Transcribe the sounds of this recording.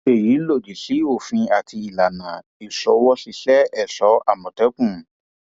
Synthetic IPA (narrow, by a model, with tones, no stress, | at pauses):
e˨ji˨˦lo˦˨di˨ɬi˨˦o˦˨fĩ˧a˨ti˧i˨la˨nã˨ | i˨sɔ˨˦wɔ˦si˨˧˦ɬɛ˦ɛ˦˨sɔ˨˦a˦˨mɔ̃˨tɛ˨˦kũ˦˨